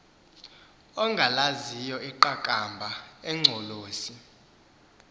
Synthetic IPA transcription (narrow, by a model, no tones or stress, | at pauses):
ɔŋɡʱalazijɔiǃakʼambʱaɛŋ͡ǀʱɔloːsi